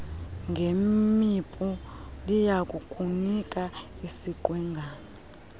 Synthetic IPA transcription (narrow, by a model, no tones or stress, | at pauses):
ŋɡʱemipʼulijakʼukʼunikʼaisiǃwɛːŋɡʱa